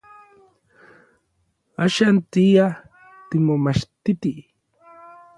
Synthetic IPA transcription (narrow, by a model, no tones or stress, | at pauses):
aʃant̪ija | t̪ɪmomaʃt̪it̪i